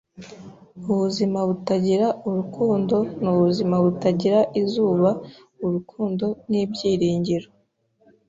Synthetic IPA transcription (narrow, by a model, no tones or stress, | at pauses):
uβuzimaβutaɟiɾauɾukʰuːndo̞nuβuzimaβutaɟiɾaʔizuːβa | uɾukʰuːndo̞niːbɟiːɾiːɲɟiɾo